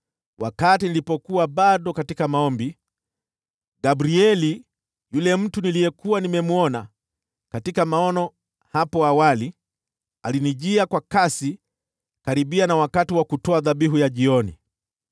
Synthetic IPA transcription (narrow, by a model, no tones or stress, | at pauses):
wʔakatinilipɔkuwaɓaɗɔkatikamaɔmbi | ɡabɾiɛli | julɛm̩tunilijɛkuwanimɛmuɔna | katikamaɔnɔ | hapɔawali | aliniʄiakwakasi | kaɾiɓianawakatiwakutɔaðaɓiɦujaʄiɔnḭ